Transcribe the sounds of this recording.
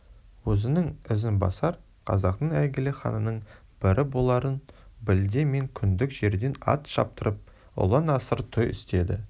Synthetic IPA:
wɵzɪnɪŋɪzɪnbɑ̰sɑɾ | qʰɑ̰zɑqt̪əɴæɡʲɪleχɑ̰nənəɴ | b̥ɪɾʔɪbolˠɑɾənbɪld̪eme̞ŋkʲʰʏnd̪ɪkʒ̥e̞ɾd̪e̞nɑ̰t̪ʃɑ̰p̚t̪əɾəp̚ | ʊ̰lˠɑnɑsəɾt̪ʰojɪ̰st̪e̞d̪ɪ̰

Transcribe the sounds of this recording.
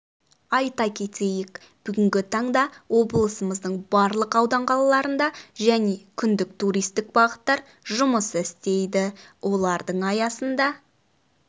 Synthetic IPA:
ɑjt̪ɑkʲʰe̞t̪e̞jɪk | b̥ʏɡʲɪŋɡʲɪt̪ʰɑɴd̪ɑwʔo̞bəlˠəsəməzd̪əɴbɑɾlˠəqɑwd̪ɑɴqʰɑlˠɑlˠɑɾənd̪ɑʒæne̞kʲʰʏnd̪ɪk̚t̪uɾijst̪ɪk̚bɑʁət̪ːɑɾ | ʒʊməsəɪst̪e̞jd̪ɪwʔo̞lˠɑɾd̪əɴɑjɑsənd̪ɑ

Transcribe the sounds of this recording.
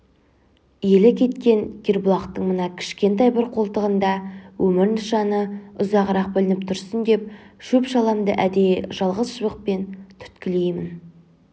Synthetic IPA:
je̞lɪkʲʰe̞t̪kʲe̞ŋɡʲeɾbʊlˠɑqt̪əɴmənɑkʲʰɪ̥ʃkʲe̞nt̪ɑjbɪɾqʰo̞lˠt̪əʁənd̪ɑwʔɵmɪɾnəʃɑnəʊzɑʁəɾɑq̚bɪlɪnɪp̚t̪ʰʊɾsənd̪e̞p̚ʃɵpʃɑlˠɑmd̪ə̰ʔæd̪e̞jʒ̥ɑlˠʁəzʒəβəq̚pe̞nt̪ʰʏ̥t̪kʲɪlejmɪn

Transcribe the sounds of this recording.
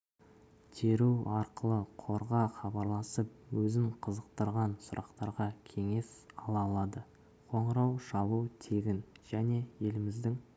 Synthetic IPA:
t̪ʰe̞ɾuwɑɾqəlˠəqʰo̞ɾʁɑχɑbɑɾlˠɑsəp̚wɵzɪɴqʰəzəqt̪əɾʁɑnsʊɾʔɑqt̪ɑɾʁɑkʲʰe̞ŋe̞sɑlˠɑlˠɑd̪ə | qʰo̞ɴɾɑwʃɑlˠut̪ʰe̞ɡʲɪnʒ̥æne̞je̞lɪmɪzd̪ɪŋ

